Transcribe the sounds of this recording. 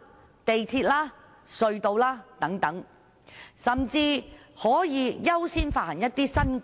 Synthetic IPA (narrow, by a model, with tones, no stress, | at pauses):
t̪e˨jt̪ʰiː˧t̚laː˥ | sɵ˧ɥt̪o˨˧wlaː˥t̪ɐ˨˥ŋt̪ɐ˨˥ŋ | sɐ˨mt͡siː˧hɔː˨˥jiː˨˧jɐ˥wsiː˥nfaː˥˩hɐ˨˩ŋjɐ˥t̚t̪iː˥sɐ˥n